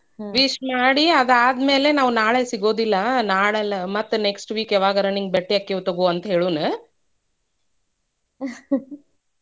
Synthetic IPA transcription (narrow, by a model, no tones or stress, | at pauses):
ʋiʃmaːɽiɐd̪aːd̪me̞ːle̞naːʋunaːɭesiɡo̞ːd̪ilːɐnaːɭɐlɐmɐt̪ːuneksʈʋiːkɛʋaːɡɐɾɐniŋɡ̚beʈːiɐkːeʋut̪oɡuɐnt̪ɐɦe̞ːɭuːnɨ